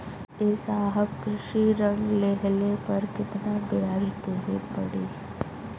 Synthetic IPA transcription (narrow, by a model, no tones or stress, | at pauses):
ɪsaːɦəbkɾɪʃiɾəɳleɦlepɐɾkɪt̪nabɪɾaːɦɪt̪uɦipɐ̰ɽiː